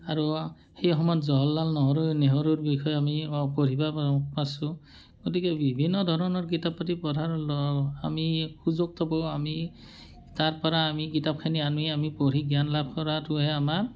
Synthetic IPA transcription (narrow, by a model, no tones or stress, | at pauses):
aɹu | hejɔxɔmɔjɔtzɔɦɔlːalnɔɦɔɹuneɦɔɹuɹbixʰɔjamipoɹibapasʊ̃ | ɡ̥otikɛbibʱinːɔd̪ʱɔɹɔnɔɹk̬itapːatipɔdʱaɹlɔamixuzok̚tʰɔbowami | taɹpɔɹaːmikitap̚kʰanianiamipoɹiɡijanlab̚ʱkɔɹatʊɦɛamaɹ